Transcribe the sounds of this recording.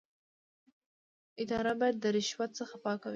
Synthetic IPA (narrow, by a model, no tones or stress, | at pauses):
ɪd̪ɑɾabɑjad̪ːəɾɪʃwat̪̚səxapɑkawi